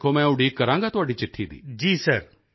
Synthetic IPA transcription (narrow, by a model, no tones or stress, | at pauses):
kʰomɛ̃ːʊɽiːkəɾãːŋɡat̪ʊaːɖit͡ʃɪʈʰːid̪ḭːd͡ʒiːsəɾ